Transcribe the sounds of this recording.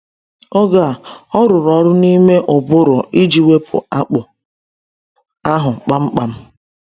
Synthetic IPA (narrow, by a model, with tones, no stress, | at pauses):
o˦ɡa˨ɔ˦ɾʊ˨ɾɔ˨ɾʊ˦ni˦me˦ʔʊ˨bʊ˦ɾʊ˨i˦d͡ʒi˨we˦pʰʊ̰˨a˦k͡pʊ˨ | a˦ɦʊ˨k͡pa˦m̩˦k͡pa˨m̩˦